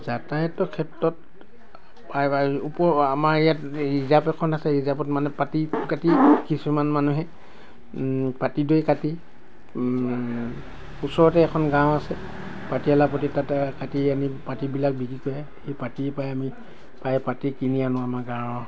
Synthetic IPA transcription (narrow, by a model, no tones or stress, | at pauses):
zatajɛtɔkʰɛtɹɔt̚ | pajaupɔamaɹɛjatɹizabɛkʰɔnasɛɹizabɔtmanɛpatikatikisumanmanuɦɛ | patidojkati | usɔɹɔtɛːkʰɔnɡãw̃asɛ | patialapɔt̬itatkatianipatibilak̚biɡikojɛ | hepatipajami | pajpatikinianɔaamaɡãw̃ɔ